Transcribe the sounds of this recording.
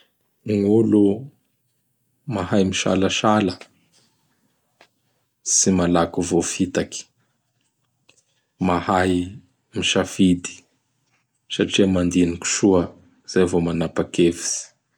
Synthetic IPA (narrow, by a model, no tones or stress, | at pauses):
ŋulu | mahajmiʃa̰laʃalə | simalakuvofit̪aki̥ | mahaj | miʃafid̪i̥ | saʈ͡ʂiəmand̪iniki̥ʃuə | z̥ajvomanapakeviz̥i̥